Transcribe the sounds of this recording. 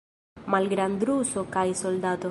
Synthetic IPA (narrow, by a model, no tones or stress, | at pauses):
malɡɾand̪ɾusokajsold̪at̪o